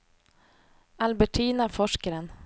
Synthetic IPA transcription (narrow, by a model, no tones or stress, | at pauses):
albɛʈʰiːnafɔʂkaɾən